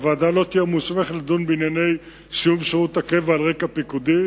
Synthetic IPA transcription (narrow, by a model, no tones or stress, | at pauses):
veaːd̪alo̞t̪ijemusmeχladunbeinjane̞j | sijumʃeʁut̪akevalʁekapikud̪i